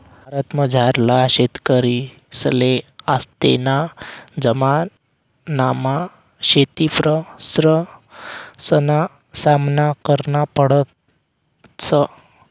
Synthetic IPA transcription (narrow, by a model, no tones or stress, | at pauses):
bʱaɾət̪məd͡zʱaɾlaɕet̪kəɾi | səleast̪ḛnad͡zəmanː | ama | ɕet̪ipɾəsɾə | səna | samnakəɾnapəɽət̪ | sə